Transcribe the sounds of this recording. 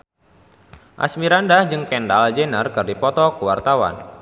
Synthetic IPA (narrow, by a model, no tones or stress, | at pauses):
ʔa̰smiɾandahd͡ʒɨŋkɛndald͡ʒenərkɨrdipɔt̪ɔkəwart̪awa̰n